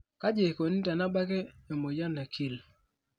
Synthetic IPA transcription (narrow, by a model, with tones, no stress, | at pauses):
ka˦d͡ʒe˨ko˨ni˦ta˨na˦ba˦keː˦˨mo˨ja˦na˨kʰi˦˨l